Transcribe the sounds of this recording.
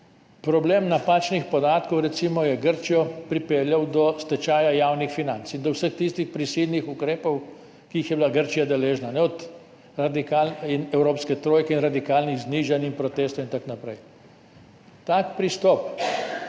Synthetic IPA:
pɾɔbleːmnapaːt͡ʃnixpɔd̪aːt̪kɔwɾɛt̪simɔjɛɡəɾt͡ʃijɔpɾipeːljawd̪ɔst̪ɛt͡ʃaːjajawnixfinant̪sind̪ɔwsəxt̪ist̪ixpɾisilnixukɾeːpɔw | kiixjɛbilaɡəɾt͡ʃijad̪ɛleːʒnanɛɔt̪ | ɾad̪ikalinɛwɾopskɛt̪ɾoːjkɛinɾad̪ikaːlniɣzniːʒanimpɾɔt̪eːst̪ɔwint̪aknapɾɛj | t̪akpɾist̪ɔp

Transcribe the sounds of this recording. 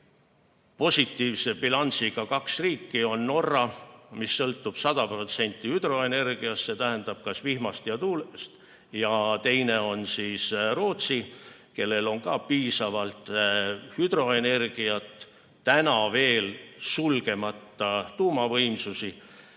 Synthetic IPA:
po̞sʲit̪ːˑiːvse̞bilɑnʲsiɡ̥ɑkɑksriːkːio̞nːo̞rːɑmisːɤlt̪ˑːub̥sɑd̪̥ɑpro̞t̪se̞nʲt̪ˑːihyd̪̥ro̞e̞ne̞rɡ̥iɑsse̞t̪æɦend̪̥ɑb̥̚kɑsvihmɑst̪jɑt̪uːlest̪ | jɑt̪e̞jne̞o̞nsiːsro̞ːt̪si | ke̞lːe̞lo̞ŋkɑːpiːsɑvɑlt̪ˑhyd̪̥ɾo̞e̞ne̞rɡ̥iɑt̪ˑː | ænɑve̞ːlsulɡ̥e̞mɑt̪ːˑɑt̪uːmɑvɤjmsusi

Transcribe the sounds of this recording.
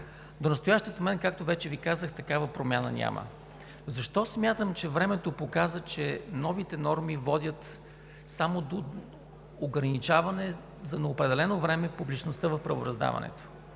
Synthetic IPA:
d̪onɐst̪ojaʃt̪ʲiot̪mɛnkak̚t̪ovɛt͡ʃɛvikazəxt̪ɐkavəpɾomʲjanə̰nʲa̰mʔə̰ | zɐʃt̪ɔsmʲjat̪əmt͡ʃɛvɾɛmɛt̪opokazət͡ʃɛnɔvit̪ɛnɔɾmivɔd̪ʲət̪ | samod̪o | oɡɾɐnit͡ʃavɐnɛ | zɐnɛopɾɛd̪ɛlɛnovɾɛmɛpublit͡ʃnost̪əvɐfpɾɐvo̰ɾɐzd̪a̰vɐ̰nɛ̰t̪o̥

